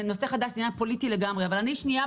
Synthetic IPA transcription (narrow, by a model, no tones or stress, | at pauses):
no̞se̞χad̪aʃdinapo̞lit̪ileɡamʁeavalaniʃnia